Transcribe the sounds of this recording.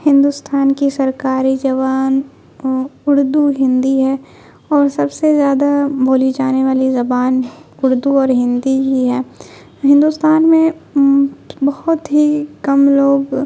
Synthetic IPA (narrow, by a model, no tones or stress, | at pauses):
hɪ̃nd̪ust̪ʰaːnkisɐɾkaːɾid͡ʒɐʋaːn | ʊɾd̪uɦɪ̃nd̪iɦɛ | ɔːɾsɐbsezjaːd̪abʱoːlid͡ʒaːneʋaːlizɐbaːnʊɾd̪uɔːɾɦɪ̃nd̪iɦiɦɛː | ɦɪ̃nd̪ust̪aːnmẽ | bɐhʊt̪ɦikɐmloːɡ